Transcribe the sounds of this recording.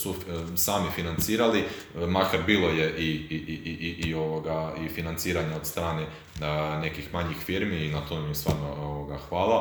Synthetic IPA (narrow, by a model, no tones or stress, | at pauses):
susaːmifinant̪siːɾali | makaɾbiːlo̞je̞ʔiiʔiʔiʔiʔioʋoɡaifinant̪siːɾaɲeod̪st̪ɾaːne | ne̞kixmaɲixfiɾmiːnat̪omest̪ʋa̰ːɾnooʋoɡaxʋaːlˠa